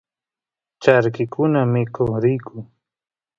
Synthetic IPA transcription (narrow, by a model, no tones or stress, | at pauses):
t͡ʃaɾkɪkʰʊnamɪkoχɾɪjkʰʊŋ